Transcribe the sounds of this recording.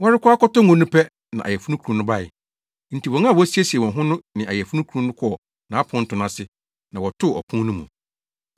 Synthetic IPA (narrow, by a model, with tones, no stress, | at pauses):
wɔ˦ɾɪ˦kʰʷʊ˦a˦kɔ˦tɔ˦ŋʊ̃˨nũ˦pʰɛ˦ | nã̰˨ʔa̰˨jɛ˨fu˦nũ˦kʰu˨ũ˨nʊ̃˦ba˦˨ɪ̰˨ | n̩˨tʰi˨wɔ̃˨ŋã˦˨wɔ˦si˦e˦si˨ɛ˨wɔ̃˨ɦʊ̃˦nʊ̃˦nɪ̃˨a̰˨jɛ˨fu˦nũ˦kʰu˨ɾũ˨nʊ̃˦kʰɔ˦ɔ˨ | nã˨a˦pʰʊ̃˦n̩˦tʰʊ˨nã˦sɪ˦ | nã˨wɔ˨tʰʊ˦˨ɔ̰˨pʰũ˦nʊ̃˦mṵ̃˨